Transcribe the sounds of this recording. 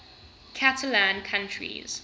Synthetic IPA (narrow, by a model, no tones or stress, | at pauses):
kʰatʰəlãnkʰãntɹḭz̥